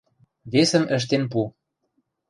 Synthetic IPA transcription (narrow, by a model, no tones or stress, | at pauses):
βesə̆mə̆ʃ̬t̪enp̬u